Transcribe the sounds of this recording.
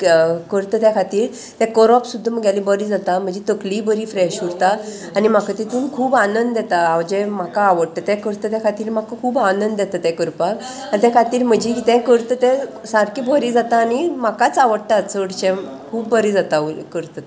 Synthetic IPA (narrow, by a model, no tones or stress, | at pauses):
kəɾt̪ət̪jakʰat̪iːɾ | t̪ɛ̃kəɾapsud̪ʱːəməɡjalibəɾid͡zat̪am̤ə̃d͡ʑet̪əklibəɾiːfɾɛɕuɽt̪aː | nim̤akat̪it̪uːnkʰuːbanənd̪d̪ɛt̪aːʋd͡ʑɛm̤akaːʋəɽʈ̪ət̪ɛkəɾt̪ət̪jakʰat̪iːɾm̤akakʰuːbanənd̪d̪ɛt̪ət̪ɛ̃kəɾpak | anit̪ɛkʰat̪iːɾm̤əd͡ʑiit̪ɛ̃kəɾt̪ət̪ɛ̃saɾkibəɾiːd͡zat̪aːnimakat͡saʋəɽʈaət͡səɽt͡ɕɛ̃ | kʰuːbːəɾid͡zat̪aukəɾt̪ə